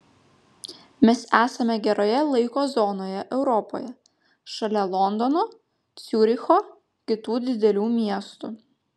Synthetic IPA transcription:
mʲɛsæːsɐmʲɛɡʲɛɾoːjɛlˠɐɪkoːzɔnoːjɛʔɛʊɾɔpo̰ːjɛ | ʃɐlʲɛlˠɔnd̪ɔnoː | t̪sʲʊɾʲɪxoː | kʲɪt̪uːd̪ʲɪd̪ʲɛlʲuːmʲiɛst̪ʊ

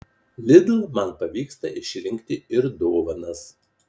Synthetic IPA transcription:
lʲɪd̪lˠmɐnpɐʋʲiːkst̪ɐʔɪʃʲɾʲɪŋʲkʲt̪ʲɪɪɾd̪oːʋɐnɐs

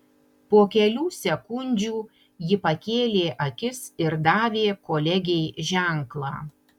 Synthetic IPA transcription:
poɔkʲɛlʲuːsʲɛkʊnʲd͡ʒʲuː | jɪpɐkʲeːlʲeːʔɐkʲɪsɪɾd̪ɑːʋʲeːkoːlʲɛɡʲɛɪʒʲæˑŋklˠɑː

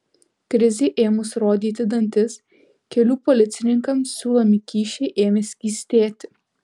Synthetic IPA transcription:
kɾʲɪzʲeːʔeːmʊsɾoːd̪ʲiːt̪ʲɪd̪ɐnʲt̪ʲɪs | kʲɛlʲuːpɔlʲɪt̪sʲɪnʲɪŋkɐmsːʲuːlˠɐmʲɪkʲiːʃʲɛɪʔeːmʲesʲiːsʲt̪ʲeːt̪ʲɪ

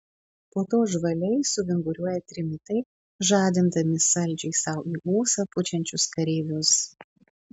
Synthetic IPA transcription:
poːt̪oːʒʋɐlʲɛɪsʊʋʲɪŋɡʊɾʲuɔjɛt̪ʲɾʲɪmʲɪt̪ɐɪ | ʒɑːd̪ʲɪnd̪ɐmʲɪsɐlʲˑd͡ʒʲɛɪsɐʊʔiːʔuːsɐpʊt͡ʃʲɛnʲt͡ʃʲʊskɐɾʲiːʋʲʊs

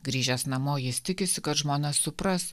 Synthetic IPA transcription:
ɡɾʲiːʒʲɛsnɐmoːjɪst̪ʲɪkʲɪsʲɪkɐt̪ʒmoːnʲɐsːʊpɾɐs

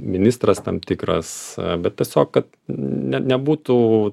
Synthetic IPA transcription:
mʲɪnʲɪst̪ɾɐst̪ɐmpt̪ʲikɾɐ̰sbʲɛt̪̚t̪ʲiɛsʲoːkkɐt̪ | nʲɛnʲɛbuːt̪uː

